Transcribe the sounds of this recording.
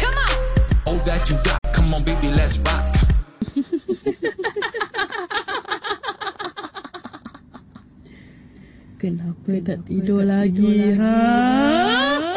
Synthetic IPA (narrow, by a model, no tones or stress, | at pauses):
kʰamaodat͡ʃuɡa̰tkʰãmɔ̃ŋbebilɛsbat̚ | kənapət̪aʔt̪idolaɡiɦa